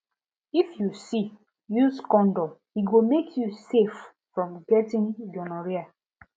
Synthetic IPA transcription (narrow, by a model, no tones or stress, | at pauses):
ifjusi | juzkɔ̃ndɔ | iɡomekʰjusef | fɹɔ̃mɡɛtĩnɡɔnɔɹia